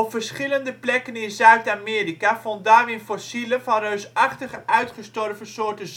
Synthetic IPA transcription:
ɔpfəɹsχɪləndəplɛkənɪnzœɥtaːmɪːrikavɔntdaːrɪnfɔsilənvɑnrøɥsɑχtəχəʔœɥtχəstɔrvəsʊːɹtəz

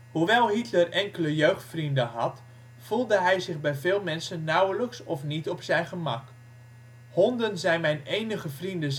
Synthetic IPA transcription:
huʋɛlˠɦitlərɛŋkələjøɥχtfrindəɦɑt | fulˠdəɦɛjzɪχbɛjvɪːlˠmɛnsənːɑwələksɔfnitɔpsɛjnχəmɑk | hɔndənzɛjnmɛjnejnəχəvrində

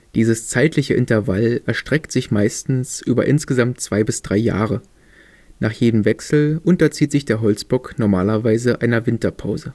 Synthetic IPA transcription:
d̥iːzəst͡saɪtʰlɪçəʔɪntɐvalʔɛɐʃtʁ̥ɛktz̥ɪçmaɪstn̩sʔyːbɐ̰ʔɪnsɡ̥əzamtt͡sv̥aɪbɪsd̥ʁaɪja̰ːʁə | naːχjeːdəmvɛksl̩ʔʊntɐt͡siːtz̥ɪçd̥eːɐɦɔlt͡sb̥ɔknɔɐmaːlɐvaɪzəʔaɪnɐvɪntɐpʰaʊzə

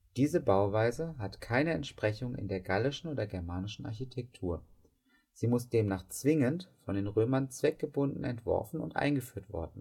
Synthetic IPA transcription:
d̥iːzəbaʊvaɪzəɦatkʰaɪnəɛntʃpʁ̥ɛçʊŋɪ̰ndeːɐɡalɪʃn̩ʔoːdɐɐɡɛɐmaːnɪʃn̩a̰ɐçitʰɛk̚tʰuːɐ | z̥iːmʊsd̥eːmnaːχt͡sv̥ɪŋəntfɔndeːnʁøːmɐnt͡sv̥ɛk̚ɡ̥əbʊndn̩ɛntv̥ɔ̰ɐfn̩ʊ̰ntʔa̰ɪnɡəfyːɐtv̥ɔ̰ɐdn̩

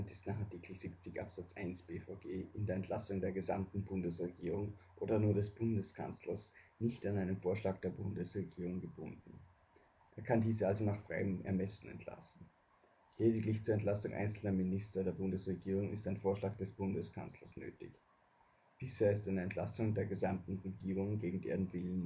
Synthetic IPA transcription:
ntɪstnaːχaɐtʰiːkʰl̩zip̚t͡sɪçʔa̰pz̥at͡sʔaɪnsb̥eːfɔɡeːʔɪndeːɐɛntʰlasʊŋdeːɐɡəzamtn̩bʊndəsʁeɡiːʁ̞ʊŋʔoːdɐnuːɐdɛsb̥ʊndəskʰa̰nt͡slɐsnɪçtanaɪnəmfoːɐʃlaːk̚d̥eːɐbʊndəsʁeɡiːʁ̞ʊŋɡəbʊndn̩ | ʔeːɐkʰandiːzəalzonaːχfʁ̥a̰ɪəmʔɛ̰ɐmɛsn̩ɛ̰ntʰla̰sn̩ | leːdɪklɪçt͡suːɐɛntl̥asʊŋʔa̰ɪnt͡sl̩nɐmɪnɪstɐdeːɐbʊndəsʁeɡiːʁ̞ʊŋɪ̰staɪnfoːɐʃlaːɡ̚d̥ɛsb̥ʊndəskʰa̰nt͡slɐsnø̰ːtɪ̰ç | b̥ɪsheːɐɪstɪndeɐɛntla̰sʊŋdeːɐɡəzamtn̩ʁeɡiːʁʊŋɡeːɡŋ̩dḛːʁənvɪlən

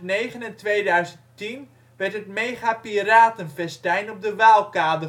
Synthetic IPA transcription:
nejχənəntʋejdœɥzəntin | ʋɛrtɦətmeːχapiraːtənfɛstɛjnɔp̚dəʋaːlˠkaːdə

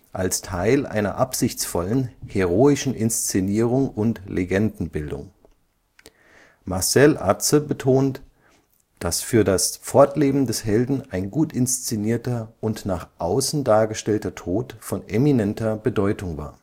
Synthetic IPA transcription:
ʔalstʰaɪlʔa̰ɪnɐ̰ʔapz̥ɪçt͡sfɔlənheʁoːɪʃn̩ʔɪnst͡seniːʁ̞ʊŋʊntlʔeɡɛndn̩bɪldʊ̰ŋ | maɐsɛlʔa̰səbətʰoːnt | d̥asfyːɐdasfɔɐtleːbm̩dɛshɛldn̩aɪnɡuːtɪnst͡seniːɐtɐʔʊntnaːχʔaʊsn̩daːɐɡəʃtɛltɐtʰoːtfɔnʔeminɛntɐbədɔʏtʊŋva̰ːɐ

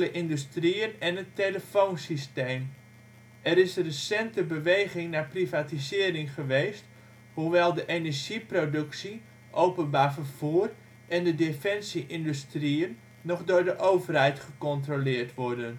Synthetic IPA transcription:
ləʔɪndystriənɛnətːeləfonsisteːm | ɛɾɪsrəsɛntəbəʋejχɪŋnaːprivaːtizɪːrɪŋχəʋejst | huʋɛlˠdəʔenɛɹʒiprodɵksi | ʔowpənbaːɹfəɹv̥uːər | ʔɛndədefɛnsiʔɪndystriənː | ɔχdʊːɹdəʔowvərɦɛjtχəkɔntrolɪːɹtʋɔɹdən

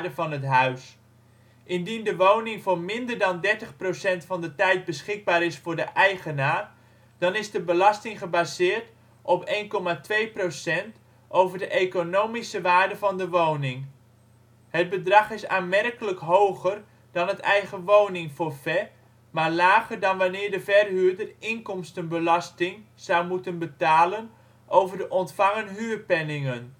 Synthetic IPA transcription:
dəvɑnɦətɦœɥs | ʔɪndindəʋownɪŋvoʊːɹmɪndərdɑndɛɹtəχprowsɛntfɑndətɛjt̚bəsχɪɡ̚baːɾɪsfʊːɹdəʔɛjχənaː | d̥ɑnɪzdəbəlɑstɪŋχəbazɪːɹt | ʔɔpejnkɔmatʋejprosɛnt | ʔowvərdəʔekonowmisəʋaːɹdəvɑndəʋownɪŋ | hət̚bədrɑχɪsa̰ːnmɛrkələkɦowɣər | d̥ɑnətɛjɣəʋownɪŋfoːɹfɛ | maːɹlaːɣərdɑnʋanɪːɹdəvɛrɦyːdərɪŋkɔmstənbəlɑstɪŋ | z̥awmutənbətaːlən | ʔowvərdəʔɔntfɑŋənɦyːrpɛnɪŋən

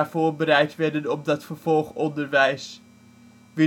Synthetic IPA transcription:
aɹvʊːɹbəɾɛjtʋɛdənɔm̚dɑtfəɹv̥ɔlˠχɔndəɹʋɛjs | ʋi

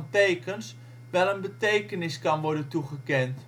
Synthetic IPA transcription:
ntejkəns | ʋɛlˠənbətejkənɪskɑnʋɔɹdəntuɣəkɛnt

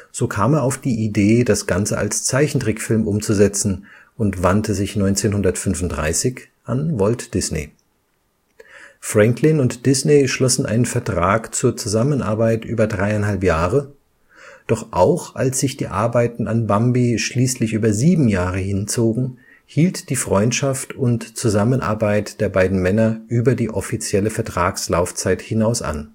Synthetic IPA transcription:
z̥oːkʰaːmeːɐaʊfd̥iːʔideːdasɡ̥ant͡səa̰lst͡saɪçn̩tʁ̥ɪkfɪlmʔʊmt͡suzɛt͡sn̩ʔʊntv̥antəzɪçnɔʏnt͡seːnhʊndɐtfʏnvʊntd̥ʁa̰ɪsɪç | ʔanvɔltd̥ɪsnḛ | fʁ̥ɛŋklɪnʊntd̥ɪsneʃlɔsn̩ʔa̰ɪnənfɛɐtʁ̥aːkt͡suːɐt͡suzamənʔa̰ɐbaɪtʔyːbɐdʁaɪaɪnhɦalpjaːʁə | d̥ɔχʔaʊxʔalsz̥ɪçd̥iːʔa̰ɐbaɪtn̩anbambiʃliːslɪçʔyːbɐziːbm̩jaːʁ̞əhɪnt͡soːɡŋ̩ | hiːltd̥iːfʁ̥ɔʏntʃaftʊntt͡suzamənʔa̰ɐbaɪtd̥eːɐbaɪdn̩mɛnɐʔyːbɐdiːʔɔfit͡sjɛləfɛɐtʁ̥aːkslaʊft͡saɪthɪnaʊsʔa̰n

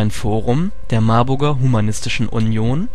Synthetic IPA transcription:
ɪnfoːʁʊm | d̥eːɐmaɐbʊɐɡɐɦumanɪstɪʃn̩ʔʊ̰njoːn

